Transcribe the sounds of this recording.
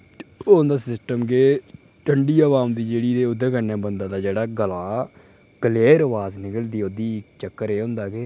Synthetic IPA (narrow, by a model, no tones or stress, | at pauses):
ʊnd̪aːsɪsʈəmɡeː | ʈəɳɖiːəːʋaːmd̪iːd͡ʒeːɽiːd̪eːʊd̪eːkənɛ̃ːbənd̪aːt̪aːd͡ʒeːɽaːɡəlaː | kəleːɾəʋaːznɪkəld̪iːod̪iːt͡ʃəkːəɾeːʊ̃nd̪aːɡeː